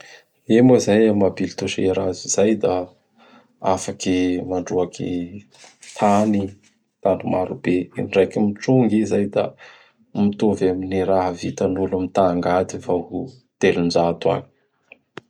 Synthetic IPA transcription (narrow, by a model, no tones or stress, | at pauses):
emoizajamabilit̪uʃeɾaziz̥ajd̪a | afakimaɳɖ͡ʐuakʰḭ | t̪ʰani | t̪aɳɖ͡ʐumaɾub̥einɖ͡ʐajkimiʈ͡ʂuŋɡizajd̪a̰ | mit̪ovaminiɾaɦəvit̪anulamit̪aŋɡad̪ifahu | t̪elund͡ʒat̪ua̰ni̥